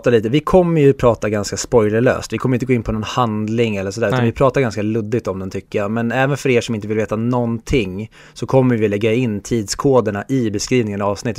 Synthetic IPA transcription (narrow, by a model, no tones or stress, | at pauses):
t̪aliːt̪əvɪkʰɔmːəɾjɵpʰɾɑːt̪aɡanskaspɔjləɭø̰ːst̪vɪkʰɔmːəɪt̪əɡoːɪnːpʰɔnɔnhand̪lɪŋɛlːəʂɔd̪æɾʉanvɪpʰɾɑːt̪aɾɡanskalɵd̪ːɪɡ̚t̪ɔmd̪ɛnt̪ʰʏkːəjamɛnɛːvənfœɾeːʂɔmɪnt̪əvɪlveːt̪anɔnt̪ʰɪŋ | sɔkʰɔmːəɾvɪlɛɡːaɪnːt̪ʰiːd̪skʰoːd̪əɳaʔɪbɛskɾiːvnɪŋənaɑːvsnɪt̪ːə